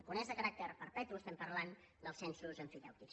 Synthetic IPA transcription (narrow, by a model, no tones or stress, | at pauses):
kunɛzðəkəɾak̚t̪əɾpəɾpɛt̪uəst̪ɛmpəɾlan | d̪əlˠsɛnsuzəɱfiðɛ̰wt̪iks